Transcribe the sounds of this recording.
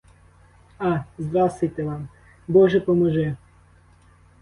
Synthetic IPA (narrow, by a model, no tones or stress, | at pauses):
ɑzd̪ɾɑsejt̪ɛʋɑm | bɔʒɛpɔmɔʒɛ